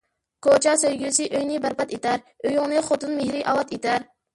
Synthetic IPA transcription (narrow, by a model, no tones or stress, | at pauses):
kʰot͡ʃɑsøjɡʲysɪʔøjnɪbæɾpɑt̪et̪ʰæɾ | øjuŋnɨχot̪unmehɾɪʔɑlˠɑt̪et̪ʰæɾ